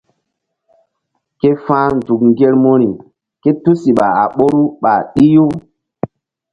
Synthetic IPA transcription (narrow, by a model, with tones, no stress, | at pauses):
ke˦fãː˦n˨zu˨kŋ˨ɡe˦lmo˦ɾi˨ | ke˦tu˦si˨ɓa˨a̰˨ɓo˦ɾu˦ɓa˨ɗi˦jo˦